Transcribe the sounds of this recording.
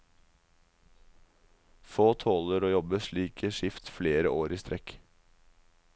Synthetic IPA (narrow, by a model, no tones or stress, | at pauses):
foːt̪ʰoːləɾoːjɔbəʃɭiːkʰəʃɪft̪fleːɾə̰ʔoːɾiːst̪ɾʔɛk